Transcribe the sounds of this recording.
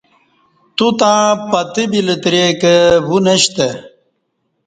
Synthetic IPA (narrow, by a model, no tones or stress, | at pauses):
t̪ut̪ãːpɐt̪ibilət̪ɾekəwuneɕt̪e